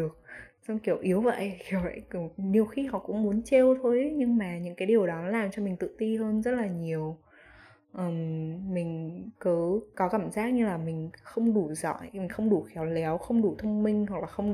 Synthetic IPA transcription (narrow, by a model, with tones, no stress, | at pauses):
ɗək̚swŋ͡mki˧˩əwʔi˨˦əwvə̰˧˨jʔxɛ˨˩əwə̰˧˨jni˨˩əwxi˧ɦɔ̰˧˨kʊ̰˧˥ŋ͡mmu˨˦ənt͡ɕe˧wt̪ʰo˧jɲɨ˧ŋmaː˨˩ɲɨ̰˧˥ŋkaː˨˦jɗi˨˩əwɗɔ˨˦laː˨˩mt͡ɕɔ˧mï˨˩ŋ̟t̪ɨ̰˧˨t̪i˧ɦəː˧nzə˦˥t̚laː˨˩ɲi˨˩əw | ʔəː˨˩mmï˨˩ŋ̟kɨ˨˦kɔ˨˦kaː˧˩mzaː˦˥k̚ɲɨ˧laː˨˩mï˨˩ŋ̟xə˧wŋ͡mɗu˧˩zɔ̰˧˨jmï˨˩ŋ̟xə˧wŋ͡mɗu˧˩xɛ˨˦wlɛ˨˦wxə˧wŋ͡mɗu˧˩t̪ʰə˧wŋ͡mmï˧ŋ̟ɦwa˨˩k̚laː˨˩xə˧wŋ͡m